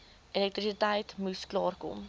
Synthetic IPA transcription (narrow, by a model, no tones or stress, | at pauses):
elɛk̚t̪ɾisitɛjtmusklɑːrkɔ̰m